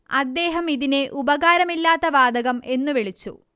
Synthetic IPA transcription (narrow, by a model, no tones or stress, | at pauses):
ɐd̪ːe̞ːɦɐmiðine̞ʔubɐɣaːɾɐmilːaːt̪ːɐʋaːd̪ɐɣɐme̞nːuʋeɭit͡ɕːṵ